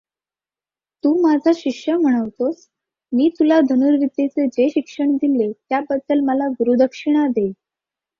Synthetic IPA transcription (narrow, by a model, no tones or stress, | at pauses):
t̪uːmad͡zʱaɕikɕjəm̤əɽ̃əʋt̪os | miːt̪ulad̪ʱənuɾʋid̪ːet͡sed͡ʑeɕikʂəɳd̪ilet̪jabəd̪ːəlməlaɡuɾud̪ʱəkʂiɽ̃ad̪e